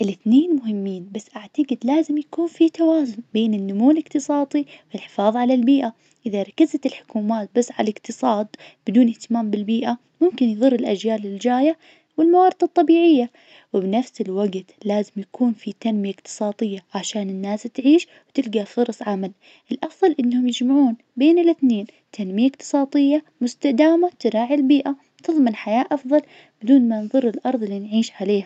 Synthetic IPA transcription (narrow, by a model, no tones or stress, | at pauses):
ʔɪlɪθneːnmʊɦɪmːiːnbasːʔaʕt̪aɡɪd̪laːzɪmjakuːnfit̪awaːzʊnbeːnɪnːʊmuːlɪqt̪ɨsˤɑːt̪ˤiwɪlħɪ̥fɑːðˤʕalalbiːʔa | ʔɪðaɾˤɑkːazat̪ɪlħʊ̥kuːmaːt̪̚basːʕa̰lɪqt̪ɨsˤɑːd̪̚ˤbɪd̪uːnʔɪht̪ɪmaːmbɪlbiːʔa | mʊmkɪnjðˤʊrːɪlʔad͡ʒjaːlɪld͡ʒaːja | wɪlmawɑːɾd̪ɨt̪ˤːɑbiːʕɪjːa | wɪbnafsɪlwaɡt̪laːzɪmjakuːnfit̪anmɪjaʔɪqt̪ɨ̥sˤɑːt̪ˤɨjːaʕaʃaːnɪnːaːst̪ʕiːʃ | wt̪ɪlɡafʊɾˤɑsˤʕamal | ʔɪlʔɑfðˤɑlʔɪnːhʊmjɪd͡ʒmaʕuːn | beːnɪlɪθneːn | t̪ʰanmɪjaʔqt̪ɨ̥sˤɑːt̪ˤɪjːa | mʊst̪ad̪aːmat̪ɪɾˤaːʕilbiːʔa | t̪ɨðˤmɪnħajaːʔɑfðˤɑl | b̥ɪd̪uːnmanðˤʊrːɪlʔɑɾˤðˤɪlːinʕiːʃʕaleːha